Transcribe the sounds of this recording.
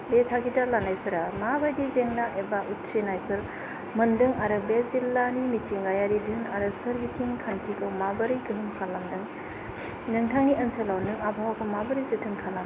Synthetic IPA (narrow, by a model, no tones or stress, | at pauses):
betʰaɡidalanajpʰɯɾamabajdizeŋnaʔebaʔut̚sinajpʰɯɾ | mɯndɯŋaɾɯbezilːanimitʰiŋɡajaɾidɯnaɾɯsɐɾbitʰiŋkʰantʰikʰawmabɐɾiɡɯɦɯmkʰalːamdɯŋ | nɯŋtʰaŋniʔɐnselawnɯŋabawakʰowmabɐɾɯjzɯtʰɯnkʰalam